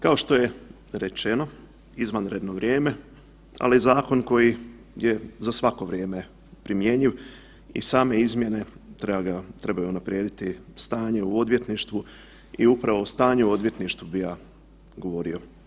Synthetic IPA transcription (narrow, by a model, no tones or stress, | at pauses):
kao̞ʃt̪o̞je̞ | ɾe̞t͡ʃe̞no̞ | izʋanɾe̞d̪no̞ʋɾʲjeːme̞ | a̰lizaːko̞nko̞ji | je̞zasʋako̞ʋɾje̞ːme̞ | pɾimje̞ɲiʋ | ḭsaːme̞izmje̞ne̞t̪ɾeaɡat̪ɾe̞bajuunapɾijeːd̪it̪ist̪aːɲe̞uo̞d̪ʋjet̪niʃt̪ʋu | iupɾaʋo̞st̪aːɲuuo̞d̪ʋje̞t̪niʃt̪ʋubijaː | ɡo̞ʋo̞ɾio̞